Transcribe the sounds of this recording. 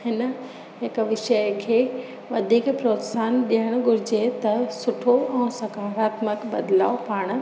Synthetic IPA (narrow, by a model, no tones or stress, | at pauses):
hɪnə̆ | ɦɪkʋɪʃəjkʰeː | ʋɐd̪ʱiːkpɾoːt̪saːnɗiəɽ̃ɡʱʊɾɪd͡ʑet̪ɐsʊʈʰoɛ̃ːsɐkaːfaːt̪məkbɐd̪laːopaːɽ̃ʊ̆